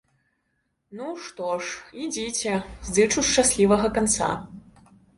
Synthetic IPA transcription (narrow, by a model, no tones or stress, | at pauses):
nuʂt̪ɔʂid͡zʲit͡sʲɛzd̪ɨt͡ʂuʂt͡ʂasʲlʲivɐɣɐkant̪sa̰